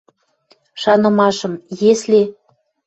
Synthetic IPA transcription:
ʃɑnɤ̆mɑʃɤ̆mjesle

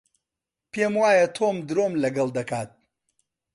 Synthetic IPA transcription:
pʰeːmwaːjɐt̪ʰoːmd̪ɨɾoːmlɐɡɐlˠd̪ɐkaːt̪̚

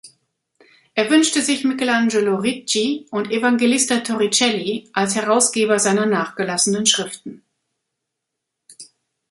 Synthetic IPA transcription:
ʔeːɐvʏnʃtəzɪçmɪkəland͡ʒeloʁit͡ʃiʔʊntʔevaŋɡelɪstɐtʰɔʁit͡ʃɛliʔalshɛʁ̞aʊsɡ̥eːbɐzaɪnɐnaːχɡ̥əlasənənʃʁ̥ɪftn̩

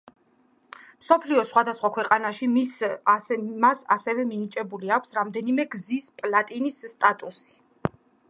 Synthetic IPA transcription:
msɔpʰliɔsχwad̪asχwakʰwɛqʼanaʃimis | masa̰sɛvɛminit͡ʃʼɛbuliakʷʰsɾamd̪ɛnimɛɡzispʼlat̪ʼinisːt̪ʼat̪ʼusi̥

